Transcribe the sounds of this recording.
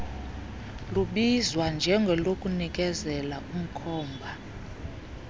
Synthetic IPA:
luɓizwand͡ʒʱɛŋɡʱɛlokʼunikʼɛzɛlaʔum̩kʰɔːmbʱa

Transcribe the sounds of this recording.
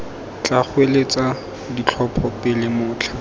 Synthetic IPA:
t͡ɬak͡xwelet͡sa | dit͡ɬʰɔpʰɔpɪlɪmʊːt͡ɬʰḁ

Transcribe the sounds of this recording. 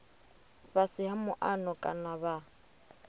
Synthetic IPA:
basɪhamʊʔanɔkʼa̰naβa

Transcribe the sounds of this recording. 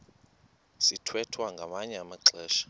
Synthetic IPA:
sitʰwɛtʰwaŋɡʱamaɲɛamaǁɛːʃḁ

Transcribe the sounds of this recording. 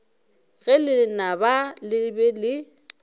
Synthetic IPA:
ɣɛlɪnabalɪbɛlɪ

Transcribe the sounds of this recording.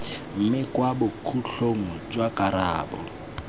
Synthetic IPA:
m̩mɪkwabʊkʰuɬoŋ̩t͡ʃʼwakʼaɾaːbɔ̰

